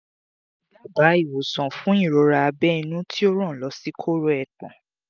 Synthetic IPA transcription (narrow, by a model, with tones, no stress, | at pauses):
la˦˨ba˨˦i˦˨wo˨sɔ̃˨fũ˨˦ĩ˦˨ɾo˧ɾa˧a˧bɛ˦i˧nũ˦tʰi˦o˦ɾ̃ɔ̃˦˨lɔ˨˦si˦kʰo˦ɾo˦ɛ˨k͡pɔ̰̃˨